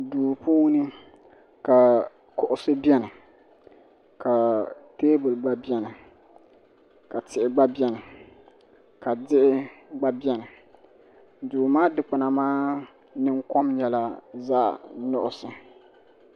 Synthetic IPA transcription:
duː˨puː˦nɨ˦ | ka˨ | kʊ˨ʔʊ˦sɨ˦bjɛ˦nɨ˨ | ka˨teː˦bɨ˨lɡ͡ba˦bi˦ɛ˦nɨ˨ | ka˨tɪ˨ʔɪ˨ɡ͡ba˦bɛ˦nɨ˨ | ka˨dɪ˦ʔɪ˦ɡ͡ba˦bi˦ɛ˦nɨ˨ | duː˨maː˦dɨ˨k͡pʊ˨na˨maː˦ | nɨ˦ŋkɔ˦mɲɛ˨la˦za̰ː˦˨nʊ˦ʔʊ˨sɨ˨

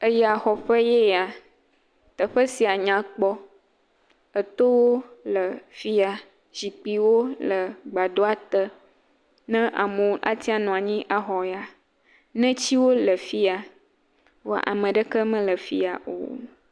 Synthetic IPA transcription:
ə˦jɛ˦a˨xɔ˨ɸə˦jɛ˦a˨ | t̪ə˨ɸə˦si˨a˨ɲã˨k͡pɔ˦ | ə˨t̪o˦wo˦lə˨fi˦a˨ | d͡ʑi˨k͡pi˨wo˦lə˨ɡ͡ba˨d̪o˦a˨t̪ə˦ | nɛ̃˦ʔa̰˨mõ˨wʔa̰˦t̪i˦a˨nɔ̃˨a˨ɲĩ˦ʔa˨ɦɔ˨ja˨ | nɛ̃˦t͡ɕi˦wo˦lə˨fi˦a˨ | wo̰˦ʔa̰˨mə̃˨ɖə˦kə˦mə̃˦lə˨fi˦a˨ʔo̰˨

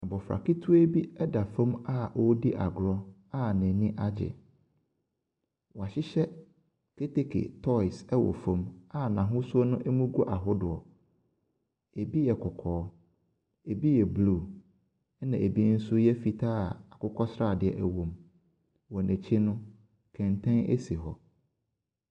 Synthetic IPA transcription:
nã˨bɔ˨fɾa̰˨ki˦tʰu˦e˦bi˦ɛ˦da˨fõ˦ma˦ʔɔ˦di˦ʔa̰˨ɡɾɔ˦ | a˦nɛ̃˨nĩ˦ʔa˦d͡ʑɪ̰˨ | wɔ˨a˨ɕɪ˦ɕɛ˦ | kʰe˦te˦kʰḛ˨tʰɔ˦ɪ˨sɛ˦wɔ̰˨fõ˦ma˦nã˨ɦʊ̃˦sʊ˦ɔ˦nʊ̃˦ʔɛ˦mũ˦ɡu˦ʔa˨ɦʊ˦dʊ˨ɔ˨ | e˨bi˦jɛ˨kʰʊ˨kʰɔː˨˦ | e˨bi˦jɛ˨bluː˦˨ | ɛ˦nã˨ʔe˨bi˦n̩˦sʊ˦jɛ˦fi˨tʰaː˦˨a˨kʊ˦kʰɔ˦sɾa˦˨dɪ˨ɛ˨ʔæ˨wõ˨m | wɔ˨nʔɛ̃˨t͡ɕʰi˦nʊ̃˦ | kʰɛ̃˨ntʰɛ̃˦nḛ˦si˨ɦɔ˨

